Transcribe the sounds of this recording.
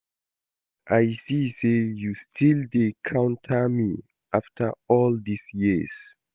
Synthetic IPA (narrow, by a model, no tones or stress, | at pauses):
ʔajsisejustʰildekʰãw̃ntʰəmi | ʔaftʰəɔldisjiz̥